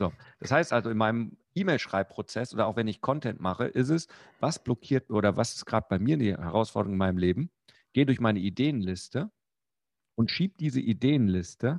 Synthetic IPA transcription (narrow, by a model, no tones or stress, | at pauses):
z̥oːd̥ashaɪstʔalzoɪnmaɪnəmʔiːmeɪlʃʁ̥aɪp̚pʁ̥ot͡sɛsʔoːdɐaʊv̥ɛnɪçkʰɔntʰɛntmaχə̰ʔɪs̬tɛsvasb̥lɔkʰiːɐt̚ʔoːdɐvasɪ̥stɡ̥ʁaːdəb̥aɪmiːɐnihɛʁaʊsfɔɐdəʁʊŋɪnmaɪnəmleːbm̩ | ɡ̥eːdʊɐçmaɪnəideːənlɪstə | ʔʊntʃiːp̚d̥iːzəʔideːənlɪstə